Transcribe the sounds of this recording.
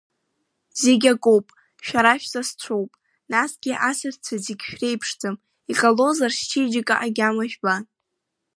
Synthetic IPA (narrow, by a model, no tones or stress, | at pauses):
zeɡʲakʼowpʼ | ʃᶣaɾaʃᶣzast͡ɕʷʰo̞wpʼ | nasɡʲiʔasɨrt͡sʷʰazeɡʲʃᶣre̞jpʰʂd͡zʼɨm | iqʼalo̞zarʃt͡ʃʰid͡ʒɪkʼaʔaɡʲamaʒᶣba